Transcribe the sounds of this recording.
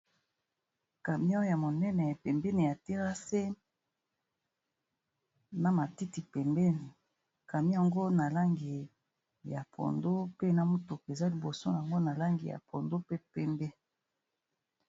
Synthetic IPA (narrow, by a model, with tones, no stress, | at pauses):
ka˨mi˦o˦ja˨mo˨nɛ˦nɛ˨pɛ˨mbɛ˦nɛ˨ja˨ti˦ʁa˦se˦ | na˦ma˨ti˦ti˨pɛ˨mbɛ˦ni˨ | ka˨mi˦ja˨ŋɡo˦na˨la˦ŋɡi˨ | ja˨pʰo̰˨ndo˦pe˦na˨mo˦to˨ke˨za˦li˨bo˨so̰˦ja˨ŋɡo˦na˨la˦ŋɡi˨ja̰˨po˨ndo˦pe˦pɛ˦mbɛ˦